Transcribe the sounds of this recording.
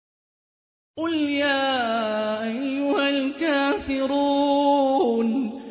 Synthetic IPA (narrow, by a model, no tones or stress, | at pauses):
qʊljaːʔajːʊhalkaːfɪɾuː | n